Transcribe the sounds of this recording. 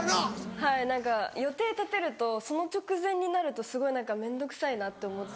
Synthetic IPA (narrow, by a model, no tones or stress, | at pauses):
hainãŋkajo̞t̪e̞ːt̪at̪e̞ɾɯ̟t̪o̞so̞no̞t͡ɕo̞kɯ̟zẽ̞ɲ̟ːinaɾɯ̟t̪o̞sɨɡo̞inãŋkamẽ̞nd̪o̞kɯ̟̥sainat̪ːe̞omo̞t̪